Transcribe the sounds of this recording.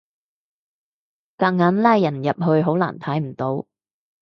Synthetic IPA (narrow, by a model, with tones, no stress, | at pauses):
kaː˧k̚ŋaː˨˥nlaː˥jːɐ˨˩njɐ˨p̚ɦɵ˧ɥɦo˨˥wla̰ː˨˩nt̪ʰɐ˨˥jm̩˨˩t̪o˨˥w